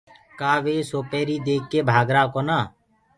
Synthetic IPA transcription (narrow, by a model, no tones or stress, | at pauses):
kaːʋeːsoːpeːɾiːd̪eːkːeːbʱaːɡɾãːkoːnaː